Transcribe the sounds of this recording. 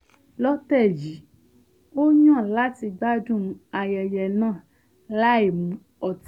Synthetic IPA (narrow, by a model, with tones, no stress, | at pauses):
lɔ˦tɛ˦˨d͡ʒi˨˦ | o˦ɲã˦˨la˦ti˧ɡ͡ba˦d͡ʒũ˦a˨jɛ˨jɛ˨nã˦˨ | la˦e˨mũ˨˦ | ɔ˨t